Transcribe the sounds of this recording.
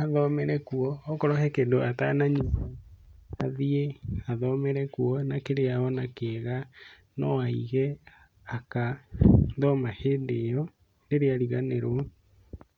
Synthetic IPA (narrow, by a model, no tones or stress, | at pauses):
haðɔmɛɾɛkuɔːkɔɾɔhɛkedoatanaɲuaaðiehaðɔmɛɾɛkuɔnakeɾeaɔnakeɣa | nɔaiɣɛ | aka | ðɔmaheːndejɔ | neɾeaɾiɣaneɾwɔ